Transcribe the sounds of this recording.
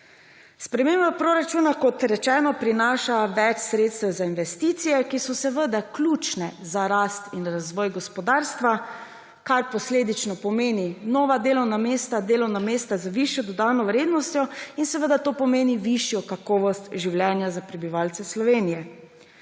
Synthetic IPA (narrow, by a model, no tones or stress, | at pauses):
spɾɛmeːmbapɾoɾat͡ʃuːnakɔt̪ɾɛt͡ʃɛːnɔpɾinaːʃaʋɛt͡ʃsɾeːt̪st̪ɛwzainʋɛst̪it̪sijɛkisɔsɛʋəd̪aklʲuːt͡ʃnɛzaɾast̪inɾazʋɔːjɡɔspɔd̪aːɾst̪ʋa | kaɾpɔsleːd̪it͡ʃnɔpɔmeːninɔːʋad̪eːlɔwnameːst̪ad̪eːlɔwnameːst̪azəʋiʃjɔd̪ɔd̪aːnɔwɾeːd̪nɔst̪jɔinsɛʋəd̪at̪oːpɔmeːniʋiʃjɔkakɔːʋɔst̪ʒiwljɛnjazapɾɛbiʋaːlt̪sɛslɔʋeːnijɛ